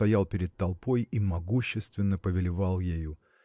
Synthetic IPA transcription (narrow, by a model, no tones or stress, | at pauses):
t̪ɐjalˠpʲɪɾʲɪd̪̚t̪ɐlˠpo̞jimɐɡuɕːɪst̪vʲɪnːəpəvʲɪlʲɪvɑlˠjeju